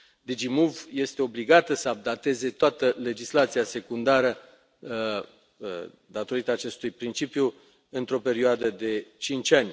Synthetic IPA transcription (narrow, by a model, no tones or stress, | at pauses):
d̪id͡ʒimuvje̞st̪eo̞bliɡat̪əsəab̚d̪at̪e̞ze̞t̪oat̪əle̞d͡ʒislat̪siase̞kund̪aɾə | d̪at̪o̞ɾit̪əaːt͡ʃe̞st̪ujpɾint͡ʃipju | ɨnt̪ɾo̞pe̞ɾioad̪əd̪e̞t͡ʃint͡ʃʲanʲ